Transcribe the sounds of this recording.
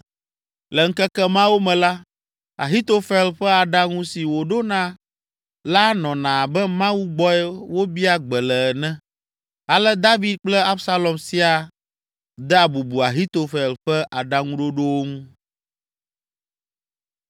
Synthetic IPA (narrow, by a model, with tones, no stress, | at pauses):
lɛ˨ŋ̩˦kɛ˦kɛ˦mã˦wo˦mɛ̃˨la˦ | a̰˨ɦi˦t̪o˦fɛ˦lɸɛ˦a˨ɖa˦ŋũ˦si˨wo˨ɖo˦nã˨ | la˦nɔ̃˨nã˨bɛ˦mã˦wu˦ɡ͡bɔ˦ɛ˦wo˦bi˦a˦ɡ͡bɛ˨lɛ˨ɛ˨nɛ̃˦ | a˨lɛ˦d̪a˦vi˨d̪̚k͡plɛ˦a˦bsa˦lɔ˨msi˦a˨ | d̪ɛ˦a˨bu˨bu˨a˨ɦi˦t̪o˨fɛ˨lɸɛ˦ʔa˨ɖa˦ŋũ˦ɖo˦ɖo˦wo˦ŋũ˦